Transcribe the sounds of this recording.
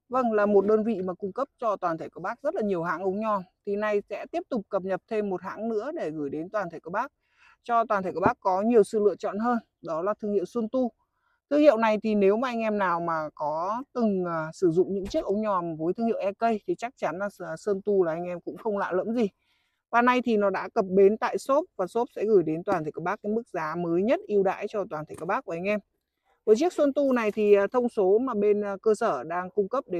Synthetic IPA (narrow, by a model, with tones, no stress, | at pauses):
və˧nlaː˨˩mo˨˩t̚ɗəː˧nvḭ˧˨maː˨˩kʊ˧ŋ͡mkə˦˥p̚t͡ɕɔ˧t̪waː˨˩t̪ʰe˧˩ku˧˩ɓaː˦˥k̚zə˦˥t̚laː˨˩ɲi˨˩əwɦa̰ː˧˥ŋʔə˧wŋ͡mɲɔ˨˩nt̪ʰi˨˩na˨˩jsɛ̰˧˥t̪i˦˥əp̚t̪ʊ˨˩k͡p̚kə˨˩p̚ɲə˨˩p̚t̪ʰe˧mːo˨˩t̚ha̰ː˧˥ŋnɨ̰˧˥əɗe˧˩ɣəɨː˧˩jɗe˨˦nt̪waː˨˩t̪ʰe˧˩kːɓaː˦˥k̚ | t͡ɕɔ˧t̪waː˨˩nt̪ʰkːɓaː˦˥kːɔ˨˦ɲi˨˩əwsɨ̰˧˨lɨ̰˧˨ət͡ɕɔ̰˧˨nɦəː˧n | ɗɔ˨˦laː˨˩t̪ʰɨ˧ŋhḭ˧˨wsə˧nt̪u˧ | t̪ʰɨ˧əŋhḭ˧˨əwna˨˩jt̪ʰi˨˩ne˨˦wmaː˨ʔjŋ̟ʔɛ˧mnaː˨˩wmaː˨˩kɔ˨˦t̪ɨ˨˩ŋəː˨˩sɨ˧˩zʊ̰˧˨ŋ͡mɲɨ̰˧˥ŋt͡ɕi˦˥ək̚ʔə˧wŋ͡mɲɔ˨˩ma˨˩voː˨˦jt̪ʰɨ˧əŋhḭ˧˨wʔɛ˧kə˧jt̪ʰi˨˩t͡ɕa˦˥k̚t͡ɕa˨˦nlaː˨˩˨sə˧nt̪u˧laː˨˩ʔa˧jŋ̟ʔɛ˧mkʊ̰˧˥ŋ͡mxə˧wŋ͡mla̰ː˧˨lə̰˧˥mzi˨˩ | vaː˨˩na˧jt̪ʰi˨˩nɔ˨˦ɗa̰ː˧˥kə˨˩p̚ɓe˨˦nt̪a̰ː˧˨jso˦˥p̚vaː˨˩so˦˥p̚sɛ̰˧˥ɣɨ˧˩jɗe˨˦nt̪waː˨˩nt̪ʰkːɓaː˦˥k̚ːa˨˦jmɨ˦˥k̚zaː˨˦məː˨˦jɲə˦˥t̚ʔi˧əwɗa̰ː˧˥jt͡ɕɔ˧t̪waː˨˩t̪ʰə˨˩jka˧˩ɓaː˦˥k̚ːu˧˩ʔjŋ̟ʔɛ˧m | vəː˨˦jt͡ɕi˦˥ək̚swə˧nt̪u˧na˨˩jt̪ʰiː˨˩˨t̪ʰə˧wŋ͡mso˨˦maː˨˩ɓe˧n˨kəː˧səː˧˩ɗaː˧ŋkʊ˧ŋ͡mkə˦˥p̚ɗe˨˦